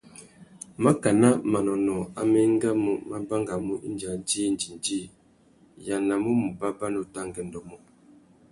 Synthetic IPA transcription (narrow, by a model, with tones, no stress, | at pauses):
ma˦ka˨na˦ma˨nɔ˨nɔ˨a˦mɛ˦ŋ˦ɡa˦mu˦ma˦ba˦ŋɡa˨mu˦ʔḭ˦nd͡ʒa˨˦d͡ʒi˦nd͡ʒi˨n˨d͡ʒi˦˨ | ja˨na˨mu˦mu˨ba˦ba˦no˨ta˦ŋɡɛ˨ndɔ˨mɔ˦